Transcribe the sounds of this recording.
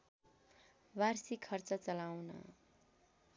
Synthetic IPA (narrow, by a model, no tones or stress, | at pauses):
barsikʰʌrt͡sʌt͡sʌlawnʌ̰